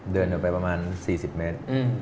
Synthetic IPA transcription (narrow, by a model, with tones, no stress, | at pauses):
dɤː˧ndpa˧jpɾa˧maː˧nsiː˨˩si˨˩p̚me˦˥t̪̚ː